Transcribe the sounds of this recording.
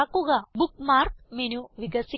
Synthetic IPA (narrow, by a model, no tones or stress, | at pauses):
aːkuɡabuk̚maːɾkmeːnuʋiɡɐsi